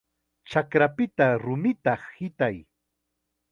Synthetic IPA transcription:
t͡ʃakɾapɪt̪aɾʊmɪt̪ɑχhɪt̪aj

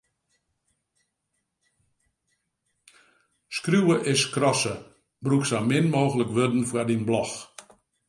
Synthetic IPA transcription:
skrjuwəʔɪskrɔsə | bruksamɪnmoːɣələkʋødn̩fwadinblɔx

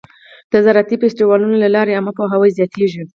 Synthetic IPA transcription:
d̪̥əzaɾat̪ifesʈiwɑlunolalɑɾeaməpoɦawajzjɑt̪ʰeʒi

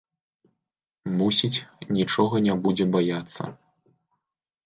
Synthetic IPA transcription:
musʲit͡sʲnʲit͡ʂɔɣɐnʲabud͡zʲɛbajat̪sːɐ̰

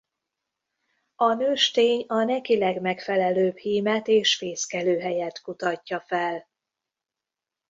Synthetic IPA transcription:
ɒnøːʃt̪eːɲɒnɛkilɛɡmɛkfɛlɛløːbhiːmɛt̪eːʃfeːskɛløːɦɛjɛt̪kut̪ɒcːɒfɛl

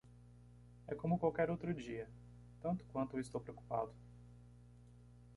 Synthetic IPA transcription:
ɛkõmʊkwawkɛɾowt̪ɾʊd͡ʒiɐ | t̪ɐ̃nt̪ʊ̥kwɐ̃nt̪ʊɪst̪owpɾeoku̥pa̰d̪ʊ

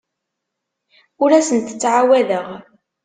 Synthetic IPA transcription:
ʊɾæsənt̪ə̥t͡sːʕawæðəʁ

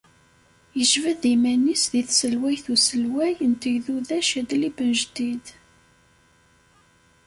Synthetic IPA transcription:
jəʒvæðimænisðiθsəlwæjθusəlwæjənt̪əʝðuðæʃæd̪libənʒd̪id̪

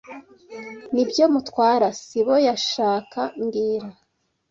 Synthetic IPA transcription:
nibjo̞mutwaːɾasiβo̞jaʃaːkʰaŋɡiːɾa

